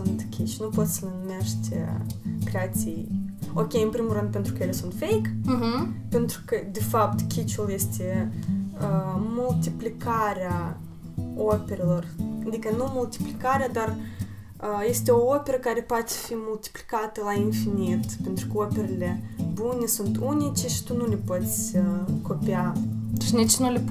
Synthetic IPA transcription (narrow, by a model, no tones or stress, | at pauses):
ɔnt̪kʰʲit͡ʃnupɔsnənmɛʃt̪ʲɛ̰kɾɛat̪iɔkejimpɾimuɾɛnd̪̚pɛnt̪ɾukɛlʲɛsɔnt̪fɛjk | pɛnt̪ɾkəd̪əfapt̪kʲit͡ʃulˠjɛst̪ʲi | mult̪iplʲikaɾa | ɔpɛɾlˠɔɾnd̪ikɛnumulˠt̪i̥plikaɾad̪aɾ | ɛst̪ɛɔɔpɛɾəkaɾɛpat̪fimult̪i̥pli̥kat̪ɛlˠainfinit̪pɛnt̪ɾukəɔpɛɾlɛbunisunt̪unit͡ʃiʃt̪unulipɔt͡skɔpiat̪ʃnit͡ʃnulip